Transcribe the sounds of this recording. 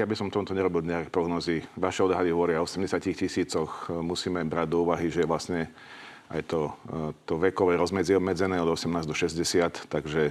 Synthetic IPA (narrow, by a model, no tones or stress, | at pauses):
jabisɔmft̪ɔmut̪ɔɲɛɾɔbild̪ɲakɛpɾɔɡnɔːziʋaʃɛɔd̪ɦad̪iɦɔʋɔɾɪaɔsɛmɟɛsɪacixcisiːt͡sɔxmusiːmɛbɾaɟd̪ɔuːʋaɦiʒɛʋlasɲɛ | a̰jt̪ɔt̪ɔʋɛkɔʋɛɾɔzmɛd͡ziɛɔbmɛd͡zɛnɛːɔd̪ɔsɛmnaːzd̪ɔʃɛzɟɛsɪat̪ːaɡʒɛ